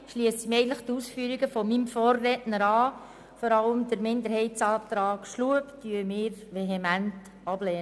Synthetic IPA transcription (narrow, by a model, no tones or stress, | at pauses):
ʃliəsəmɛɪɡntləχt̪usfyəɾiɡəfɔmimfɔːrːɛtnəɾɑː | fɔɾɑləmdəɾmɪnd̪əɾhɛɪsɑːt̪ɾɑːɡ̥ʃluəpdyəmɪːɾʋeɦemænt | ɑb̥leːnə